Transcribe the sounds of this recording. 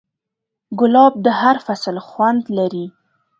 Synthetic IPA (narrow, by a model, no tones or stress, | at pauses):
ɡʊlɑb̚d̪əhaɾfasəlxwand̪laɾi